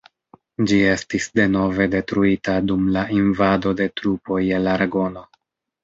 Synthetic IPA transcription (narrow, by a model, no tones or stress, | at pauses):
d͡ʒie̞stisde̞no̞ve̞de̞tɾuitadumlainvado̞de̞tɾupo̞jelaɾaɡo̞no̞